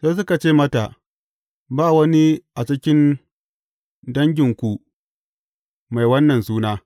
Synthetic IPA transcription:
seː˦s̬ʊ˦ka˨t͡ʃeː˦mɐ˦ta˨ʔ | baː˦˨wɐ˦ni˦ʔa˨t͡ʃɪ˦kʲɪ˦n | dɐ˦ŋɡʲɪ˨ŋkʷu˨ | ma˨jwɐ˦nːɐ˨nsuː˦naː˦

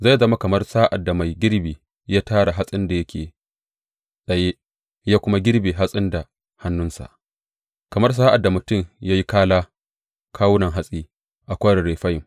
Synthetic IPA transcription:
za˦˨jzɐ˦ma˦kɐ˨mɐ˦rsaː˦ʔa̰˨dːa˨ma˨jɡʲɪ˦ɾbiː˨ | jaː˦taː˦ɽa˨ɦa˦sʼɪ˦nda˨jɐ˦kʲʰeː˨ | ɗɐ˨je˦ | jaː˦kʷʊ˦ma˦ɡʲɪ˦rbeː˨ɦa˦sʼɪ˦nda˨ | ha˦nːʊ˦nsa̰˨ʔ | kɐ˨mɐ˦rs̬aː˦ʔa˨dːa˨mʊ˨tʊ˦˨ɲjaː˦ji˦kaː˦laː˦ | kʰaː˦wʊ˦nɐ˨ŋɦa˦sʼiː˦ | ʔa˨kʷaː˦ɽɪ˨ɽeː˨ɸɐ˦jɪ˨

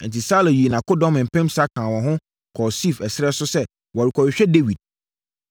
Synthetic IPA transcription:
ɛ̃˨n̩˨tʰi˨saː˦lɛ̃˨ji˨e˨nã˨kʊ˦dɔ̃˦mɪ̃˨m̩˨pʰɛ̃˦msa˦kʰãː˨wɔ̃˨ɦʊ̃˦ | kʰɔ˨si˦˨fɛ˨sɪ˦ɾɛ˦sʊ˦sɛ˦ | wɔ˨ɾi˨kʰɔ˨wɪ˨ɕᶣɛ˦de˦wi˨d̥̚

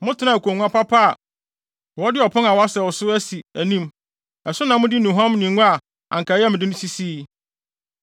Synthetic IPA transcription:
mʊ̃˦tʰɪ˨nã˨kʰʷo˨ŋʷ˦ã˦pʰa˦pʰa˦a˨ | wɔ˦dɪ˦ɔ˨pʰʊ̃˦na˨wɔ˨˦a˦sɛ˨wɔ˨sʊ˦æ˦si˨æ˨nĩ˦m | ɛ˨sʊ˦nã˨mʊ̃˦dɪ˦nʊ̃˨ɦã˦m˦nĩ˨ŋʊ̃˦a˨ | ã̰˨ŋkʰa˨jɛ˦mɪ̃˨ɪ˦nʊ̃˦si˦siː˦

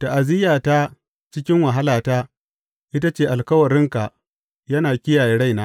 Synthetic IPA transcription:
ta˨ʔa˨zɪ˦jaː˨taː˦ | t͡ʃɪ˦kʲɪ˦ŋwɐ˨ɦa˦laː˨taː˦ | ʔɪ˦ta˦t͡ʃeː˦˨ʔa˨lkɐ˦wɐ˨ɾɪ˦ŋka˨ | jɐ˦naː˨kʲɪ˦jaː˨jeː˦ɽa˦jnaː˦

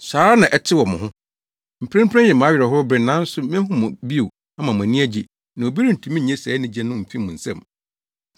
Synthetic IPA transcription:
saː˨˦nã˨ʔɛ˨tʰɪ˦wɔ˨mʊ̃˨ɦʊ̃˦ | m̩˨pʰɾɛ̃˦m˦pʰɾɛ̃˦jɛ˨mã˨˦ɥᶣɛ˨ɦʊ˦ɾbɾɪ̃˨nã˦n̩˦sʊ˦mɪ̃˦ɦʊ̃˦mʊ̃˨bi˦o˨ | a˦mã˨mʊ̃˨æ̃˨nĩ˦æ˦d͡ʑɪ˨ | nã˨o˨bi˦ɾi˦n̩˨tʰũ˨˦mĩ˦˨ɲɛ̃˦sɛː˨˦nɪ̃˦d͡ʑɛ̃˦nʊ̃˦m̩˨fĩ˦mʊ̃˨n̩˨sɛ̰̃˨m

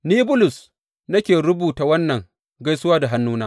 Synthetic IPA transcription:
niː˦bʊ˦lʊ˨s | nɐ˦kʲeː˨ɽʊ˦buː˨ta˨wɐ˦nːɐ˨ŋ | ɡa˦jsʊ˦waː˦da˨ɦa˦nːuː˦naː˦

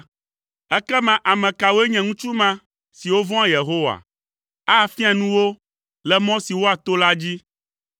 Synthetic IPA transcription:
ɛ˦kɛ˦mã˨ʔa˨mɛ̃˨ka˨wo˦e˦ɲɛ̃˨ŋũ˦t͡ʃu˦mã˦ | si˨wo˦vɔ̃˦a˦je˨ɦo˦wa̰˨ | a˦˨fi˦ã˨nũ˦wo˦ | lɛ˨mɔ̃˦si˨wo˦a˨t̪o˦la˦d͡ʑi˦

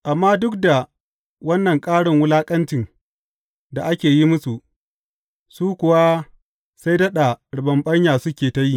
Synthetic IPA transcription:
ʔa˨mːaː˦dʊ˦kda˨ | wɐ˦nːɐ˨ŋkʼaː˦ɽɪ˨ŋwʊ˦laː˦kʼɐ˦nt͡ʃɪ˨n | da˨ʔa˦kʲeː˨ji˦mʊ˦su˨ | suː˦kʷʊ˨wa˦ | sa˦jdɐ˦ɗa˨ɽʊ˨bɐ˨mɓɐ˦ɲjaː˨sʊ˦kʲeː˨ta˦ji˦

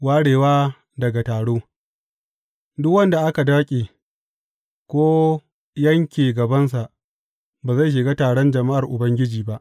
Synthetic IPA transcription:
waː˦ɽeː˨waː˦ | dɐ˨ɡa˨taː˨ɽoː˦ | dʊ˦kwɐ˦nda˨ʔa˦ka˨da˦kʲʼeː˨ | kʷoː˦ | jɐ˦ŋkʲeː˨ɡɐ˨bɐ˦ns̬a˨ʔ | baː˨za˦˨ʃ̬ɪ˨ɡaː˦taː˨ɽɔ˦nd͡ʒɐ˨ma˦ʔa˨rʔʊ˨bɐ˦ŋɡʲɪ˦d͡ʒiː˨ba˦ʔ

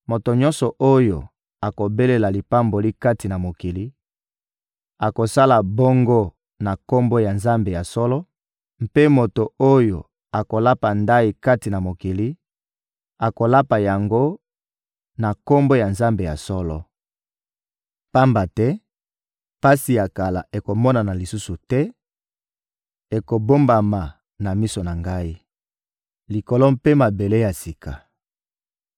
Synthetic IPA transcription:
mo˨to˨ɲɔ̃˦nsɔ˨ʔo˦jo˨ | a˨ko˨be˦le˨la˨li˨pa˦mbo˨li˦ka˦ti˨na˨mo˨ki˨li˦ | a˨ko˨sa˦la˨bo˦ŋɡo˦ | na˨ko˦mbo˦ja˨nza˦mbe˨ja˨sɔ˦lɔ˦ | m̩˦pe˦mo˨to˨o˦jo˨ | a˨ko˨la˦pa˨nda˦i˨ka˦ti˨na˨mo˨ki˨li˦ | a˨ko˨la˦pa˨ja˨ŋɡo˦ | na˨ko˦mbo˦ja˨nza˦mbe˨ja˨sɔ˦lɔ̰˨ | pa˦mba˨tɛ˦ | pa˦si˨ja˨ka˨la˨ʔe˨ko˨mɔ˦na˨na˨li˨su˦su˨tɛ˦ | e˨ko˨bo˦mba˨ma˨ | na˨mi˦so˨na˨ŋɡa˦i˦ | li˨kɔ˨lɔ˦mpe˦ma˨be˨le˦ja˨si˨ka˨

